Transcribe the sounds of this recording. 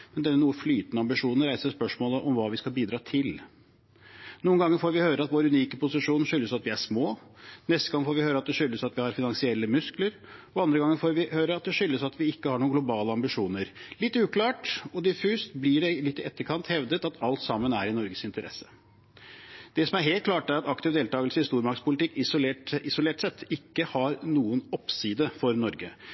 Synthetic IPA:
mɛnd̪ɛnːənuːəflyːt̪ənəɑmbɪʂuːnən̩ɾæɪsəspœʂmoːləʔɔmʋɑːʋɪskɑlˠbiːd̪ɾɑːt̪ʰɪl | nuːnɡɑŋːəɾfoːɾʋɪhøːɾəɑt̪ʋoːɾʉniːkəpʊsɪʂuːnʂʏlːəsɑt̪ʋɪæʂmoːnɛst̪əɡɑŋːfoːɾʋɪhøːɾɑt̪̚d̪ɛʂʏlːəsɑt̪ʋɪhɑɾfɪnɑŋsɪɛlːəmʉskləɾ | ɔɑnd̪ɾəɡɑŋːəfoːɾʋɪhøːɾəɑt̪̚d̪ɛʂʏlːəsɑt̪ʋɪɪkːəhɑɳuːənɡlʊbɑːləɑmbɪʂuːnəɾlɪt̪ːʉːklɑːʈɔd̪ɪfʉːst̪blɪɖɛɪlɪt̪ːɪɛt̪ːəɾkʰɑnt̪hɛʋd̪ət̪ɑt̪ʰɑlt̪sɑmːənæɾɪnɔɾɡəsɪnt̪əɾɛ̰sːə̥ | d̪̥ɛsɔmæɾɦeːlt̪̚klɑːʈæɾɑt̪ɑkt̪ɪʋd̪eːlt̪ɑːɡəlsəɪst̪uːɾmɑɾkspʰʊlɪt̪ɪkːɪsʊleːʈʔɪsʊleːʈsɛt̪ːɪkːəhɑɾnuːənɔpsiːd̪əfɔɾnɔɾɡə

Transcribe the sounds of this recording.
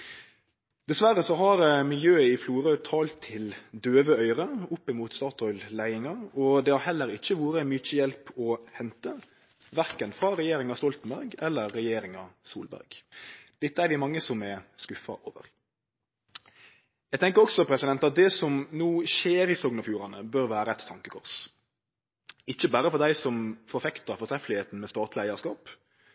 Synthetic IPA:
d̪̥ɛsʋæɾəsɔɦɑɾmɪljøːəɪfluːɾœt̪ʰɑːlt̪ʰːɪld̪øːʋəœʏɾəʊpːɪmuːt̪st̪ɑːt̪ʰɔʏllæɪɪŋɑɔd̪ɛhɑɾhɛlːəɾɪçːəʋuːɾənmyt͡ʃːəjɛlpɔhɛnt̪ə | ʋæɾkənfɾɑɾɛjeːɾɪŋɑst̪ɔlt̪n̩bæɾɡɛlːəːɛjeːɾɪŋɑ̰sṵːlbæ̰ɾɡd̪̥ɪt̪ːəæɾʋɪmɑŋːəsɔmɛskʉfɑ̰ʔoːʋə̰ɾ | jæɪɡt̪ʰɛŋkəɾɔksɔpʰɾɛsɪd̪ɛnt̪ɑt̪̚d̪ɛsɔmnuːʃeːɾɪːsɔɡnɑfjʉːɾɑnəbøɾʋæːɾəɛt̪ʰːɑŋkəkʰʊɾs | ɪçːəbæːɾəfɔɾd̪æɪsɔmfɔɾfɛkt̪ɑfɔt̪ʰɾɛfəlɪheːt̪n̩mɛːst̪ɑːt̪lɪæɪɑskɑːp

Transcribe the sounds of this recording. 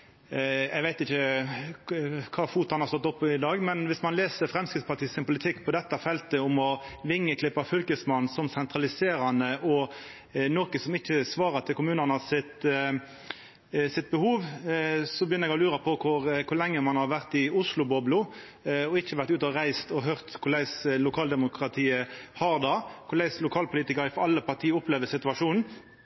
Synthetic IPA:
ɛɪɡʋæɪt̪ɪçə | kʰɑːfuːt̪hɑnhɑʁst̪ɔt̪ːɔpːɪd̪ɑːɡmɛnʋɪsmɑnleːsəɾfɾɛmskɪt̪spʰɑt̪ʰiːsɪnpʊlɪt̪ʰɪkːpʰɔd̪ɛt̪ːəfɛlt̪əʊmɔʋɪŋːəkʰlɪpːɑfʏlkəsmɑnsɔmsɛnt̪ʁɑlɪseːɾɑnəʔɔ | noːkəsɔmɪçːəsʋɑːɾət̪ʰɪlkʊmʉːnənəsɪt̪ | sɪt̪̚bəhuːʋsɔbəjʏnːəɛɡɔlʉːɾɑpʰɔkʰʊɾkʰʊʁlɛŋːəmɑnhɑɾʋæʁt̪ɪʊslʊbɔblʊ | ɔɪçːəʋæɾt̪ʉːt̪ɔʁæɪst̪ɔɦœʁt̪kʰʊlæɪslʊkʰɑːld̪ɛmʊkɾɑt̪ʰiːəhɑɾd̪ɑkʰʊlæɪslʊkʰɑːlpʰʊliːt̪ɪkɑɾɪfɔɾɑlːəpɑt̪ʰiːəɔpleːʋəsɪt̪ʉɑʂuːnn̩

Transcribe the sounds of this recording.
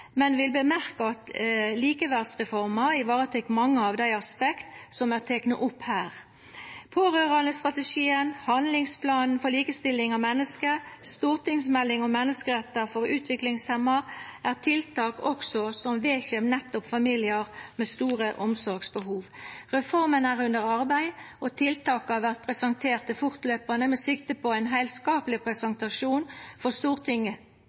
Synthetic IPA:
mɛnʋɪlbəmæʁkɑɑt̪liːkəʋæʁd̪sʁɛfɔʁmɑɪʋɑːʁət̪ʰɛkːmɑŋːəɑʋd̪æɪɑspɛkt̪sɔmæːʁt̪ʰeːknə̰ʔʊphæːʁ | pʰoːʁøːʁɑnəst̪ʁɑt̪əʃiːənhɑnlɪŋspʰlɑːnn̩fɔliːkəst̪ɪlːɪŋɑmɛnːəskəst̪uːʁt̪ɪŋsmɛlːɪŋɔmɛnːəskəʁɛt̪ːəfɔɾʉːt̪ʰʋɪklɪŋshɛmːɑʔæːʁt̪ʰɪlt̪ʰɑːkɔksɔsɔmʋeːçɛmnɛt̪ːʊpfɑmilɪəʁmeːst̪uːʁəʔɔmsɔɾɡsbəɦuːʋʁɛfɔʁmənæːʁʉnd̪əʁɑʁbæɪʔɔt̪ʰɪlt̪ʰɑːkɑʋæʁt̪̚pʰʁɛsɑnt̪ʰeːʁt̪ʰːɪfʊʁt̪løːpɑnəmɛːsɪkt̪əpʰɔæɪnɦæɪlskɑːpəlɪpʰɾɛsɛnt̪ɑʂuːnfɔʁst̪uːʁt̪ʰɪŋːə

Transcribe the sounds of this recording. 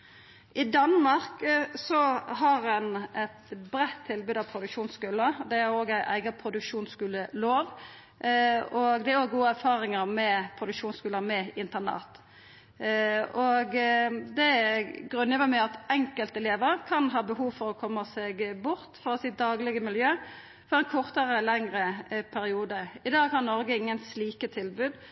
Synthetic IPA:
ʔɪd̪ɑnmɑʁksɔɦɑɾɛnɛt̪bɾɛt̪ʰːɪlbʉːd̪ɑpʰɾʊd̪ʉkʃuːnskʉːləd̪ɛæɾoːɡæɪʔæ̰ɪɡəpʰɾʊd̪ʉkʃuːnskʉːləloːʋ | ɔɡd̪ɛæɾoːɡɡuːəæɾfɑːɾɪŋəɾmɛpʰɾʊd̪ʉkʂuːnskʉːləmɛɪnt̪ənɑ̰ːt̪ | ɔɡd̪ɛɡɾʉnəʋæmæɪɑt̪ɛŋkəlt̪ɛleːʋəɾkʰɑnɦɑːbəɦuːʋfɔɾɔkʰɔmːəsɛɡbʊɾt̪fɔɾɔsɪːt̪̚d̪ɑːɡlɪɡəmɪljøː | fɔɾɛnkʰɔʁt̪əɾəlɛŋɾəpʰæɾɪuːd̪əɪd̪ɑːɡhɑnnɔɾɡəɪŋːənsliːkət̪ʰɪlbʉːd̪

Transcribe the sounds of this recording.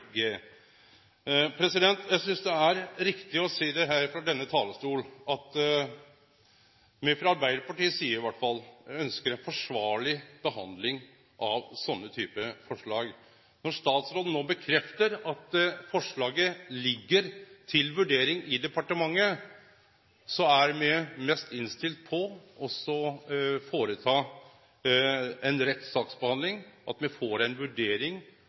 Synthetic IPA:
ɡe | pʰɾɛsɪd̪ɛnt̪jæɪsʏnsd̪ɛæɾɾɪkt̪ɪɔseːd̪ɛɦæːɾfɾɑd̪ɛnːət̪ʰɑːləst̪uːlɑt̪ | mɪfɾɑɑɾbæɪd̪əɾpɑʈiːəsiːəɾɪʋæʈfɑlːœnskəɾɛnfɔʂʋɑːɭɪb̥əɦɑnd̪lɪŋ | ʔɑʋsɔnːət̪ʰyːpəfɔʂɭɑːɡ | nɔʂt̪ɑːt̪sɾoːd̪n̩oːbəkʰɾɛft̪əɾɑt̪fɔʂɭɑːɡəlɪɡːəɾt̪ʰɪlʋʉɖeːɾɪŋɪd̪ɛpɑʈəmɑŋːə | sɔæɾmɛmɛst̪ɪnst̪ɪlt̪̚pʰɔʔɔsɔfoːɾət̪ʰɑː | ɛnɾɛt̪ːsɑːksbəhɑnd̪lɪŋʔɑt̪mɛfoːɾæɪnʋʉɖeːɾɪŋ

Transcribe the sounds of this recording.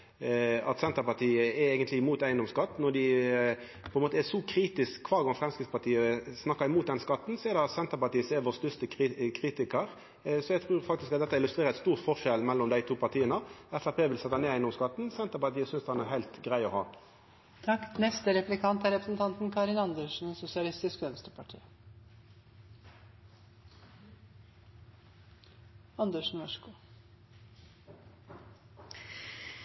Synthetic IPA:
ɑ̰t̪sɛnt̪əʁpɑt̪ʰiːəɛeːɡənt̪lɪɪmuːt̪æɪənd̪ɔmskɑt̪ːnɔd̪ɪ | pʰɔɛnmoːt̪ɛʂɔkʰɾiːt̪ɪskkʰʋɑːɡɔnfʁɛmskʁɪt̪spɑt̪ʰiːəsnɑkːəɾɪmuːt̪̚d̪ɛnskɑt̪ːn̩sɔɛd̪ɛɑt̪sɛnt̪əɾpɑt̪iːəseːʋoːst̪œst̪əkʰɾikʰɾiːt̪ɪkəɾ | sɔɛɡt̪ʰɾuːɾfɑkt̪ɪskɑt̪d̪ɛt̪ːəɪlʉst̪ɾeːɾəɛt̪st̪uːʁt̪fɔʁʂɛlmɛlːɔmd̪æɪt̪ʰuːpɑʁt̪ʰiːənəɛfæpʰeːʋɪlsɛt̪ːɑneːæɪnɔmskɑt̪n̩sɛnt̪əʁpɑʁt̪iːəsʏnsd̪hɑnæʁhæɪlt̪ɡʁæɪɔhɑː | t̪ʰɑkːnɛst̪əɾɛplɪkʰɑnt̪æɾɛpɾəsn̩t̪ʰɑnt̪n̩kʰɑɾɪnɑnd̪əʂɳ̩sʊsɪɑlɪst̪ɪskœnst̪əpʰɑʈʰḭː | ɑnd̪əʂɳ̩n̩ʋɔʂkʊ

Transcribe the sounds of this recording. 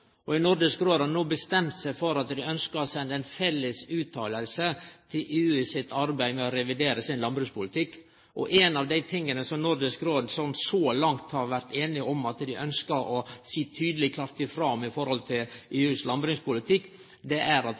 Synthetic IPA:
ʔɔɪnʊɾd̪əskɾoːd̪ɑnuːbəst̪ɛmt̪sæɪfɔɾɑt̪d̪ɪœnskəɾɔsɛnd̪əɛnfɛlːəsʉːt̪ʰɑːləlsət̪ʰɪlʔʉːɪsɪt̪ʰɑɾbæɪmɛɔɾɛʋɪd̪eːɾəsɪnlɑmbɾʉːspʊlɪt̪ʰɪkː | ʔɔ̰ʔenɑʋd̪æɪt̪ʰɪŋːənəsɔmnʊɾd̪əskɾoːd̪sɔnsɔlɑŋt̪hɑɾʋæɾt̪eːnɪɔmɑt̪d̪ɪʔœnskəɾʔɔsiːt̪ʰyːd̪əlɪkʰlɑɾt̪ɪfɾɑmɪfɔɾhɔlt̪ʰɪlʔeːʉslɑmbɾɪŋspʊlɪt̪ʰɪkː | d̪ɛʔæɾɑt̪

